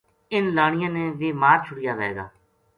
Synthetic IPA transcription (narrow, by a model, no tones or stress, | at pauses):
ɪnlaːɳ̃ɪjãːneːʋeːmaːɾt͡ʃʰʊɽɪjaːʋɛeːɡa̰ː